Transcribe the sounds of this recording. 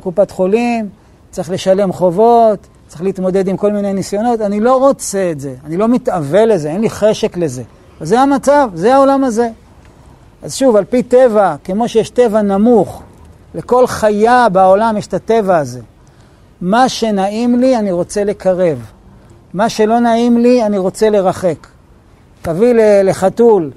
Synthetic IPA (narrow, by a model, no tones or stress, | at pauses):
kupat̪χo̞lim | t͡sʁiχle̞ʃale̞mχo̞vo̞t | t͡sʁiχleit̪mo̞d̪e̞d̪imko̞lminejnisjo̞no̞t̪anilo̞ʁo̞t͡seetze̞anilo̞mit̪ave̞le̞zeenliχeʃe̞kle̞ze̞ | velzeamat͡savzeao̞lamaze̞ | ʔazʃuvalpite̞vake̞mo̞ʃejeʃte̞vanamuχ | le̞ko̞lχajabaolamjeʃe̥tate̞vaːze̞ | maʃe̞naimlianiʁo̞t͡se̞le̞kʰaʁe̞v | maʃe̞lo̞naimlianiʁo̞t͡se̞le̞ʁaχe̞k | tavilele̞χatul